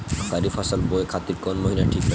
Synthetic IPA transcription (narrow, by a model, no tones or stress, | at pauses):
kaɾifasalboekʰat̪iɾkonmoɦilaʈʰikɾɛ